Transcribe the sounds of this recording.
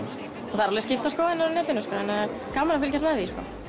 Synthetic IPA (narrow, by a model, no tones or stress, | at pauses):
ɔθaɾɔlɪscɪft̪askɔːwɛnːaɾɔnɛːt̪ɪnʏskɔhɛnːaɾ | kawmanafɪlcast̪maðiskɔ̰